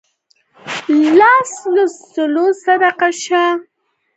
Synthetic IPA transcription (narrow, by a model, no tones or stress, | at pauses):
lɑsləs | əlosad̪aqaʃa